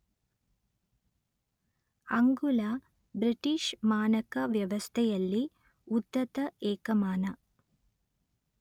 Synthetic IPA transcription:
ɐŋɡula | bɾiʈiʂmaːnɐkɐʋjɐʋɐst̪ʰɛjɐlːi | ud̪ːɐt̪ɐeːkɐmaːnɐ

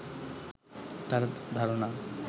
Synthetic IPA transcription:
t̪aɾd̪ʱaɾona

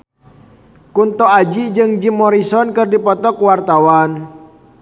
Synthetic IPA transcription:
kunt̪ɔad͡ʒid͡ʒɨŋd͡ʒimːɔɾisɔnkɨrdipɔt̪ɔkwart̪awan

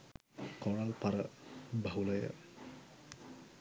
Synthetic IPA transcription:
kɔɹalpaɾabʱaɦulɔja̰

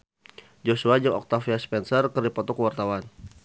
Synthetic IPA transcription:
d͡ʒosuad͡ʒəŋɔ̰k̚t̪afiaspɛnsərkərdipɔt̪ɔkəwart̪awan

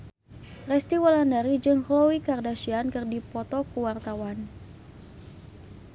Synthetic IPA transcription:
rɛst̪iwalandaɾid͡ʒɨŋklɔwikardaʃiankɨrdipɔt̪ɔkuwart̪awan

